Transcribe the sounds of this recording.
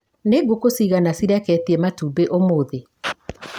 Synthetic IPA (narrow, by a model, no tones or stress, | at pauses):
neɡokosiɣanasiɾɛkɛtiɛmatuːbeʔomoːðe